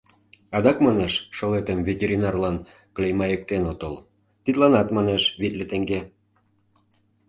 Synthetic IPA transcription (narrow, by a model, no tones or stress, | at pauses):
ɑd̪ɑkmɑneʃːŏlet̪əmvʲetʲeɾʲinɑrlɑn | klʲejmɑjə̆k̚t̪enot̪ɤl | t̪it̪lɑnɑt̪mɑneʃβit̪lʲet̪ĕŋɡe